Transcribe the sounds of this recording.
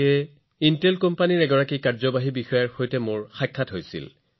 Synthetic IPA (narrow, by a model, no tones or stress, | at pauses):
ɛ | intelkɔmpaniɹɛɡɔɹakikaɹzɔbaɦibixɔjaɹxojtɛmʊɹxajkʰːatɦojsḭl